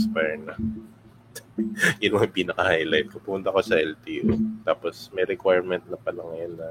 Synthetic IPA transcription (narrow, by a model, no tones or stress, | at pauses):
spɛnɐ | jʊnmɐŋpiːnɐkɐhajlajt̪̚kopʊmʊnt̪ɐko̞sɐʔɛlt̪iːʔot̪aːposmɛjɾɛkwajɹmɛnt̪̚nɐpɐlɐŋɐjonːɐ